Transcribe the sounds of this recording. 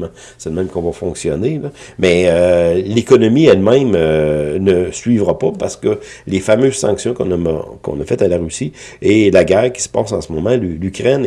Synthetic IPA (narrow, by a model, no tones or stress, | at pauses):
mã | sɛləmɛ̃mkɔ̃vafɔ̃ksjɔnelɔmɛølekɔnɔmiɛlmɛ̃mønəsɥivʁapapaʁsə̥kəlefamøːz̥sɑ̃ksjɔ̃kɔ̃nkɔ̰̃nafɛt̪alaʁysi | elaɡɛːʁkʲi̥sə̥pɑːsɑ̃səmɔmɑ̃lylykʲʁɛn